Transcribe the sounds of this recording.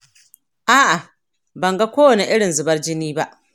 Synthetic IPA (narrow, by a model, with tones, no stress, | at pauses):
ʔaː˦ʔa˨ | bɐ˨ŋɡa˦kʷoː˦wɐ˨ne˨ʔɪ˦ɽɪ˨nzʊ˨bɐ˦rd͡ʒɪ˦niː˦ba˦ʔ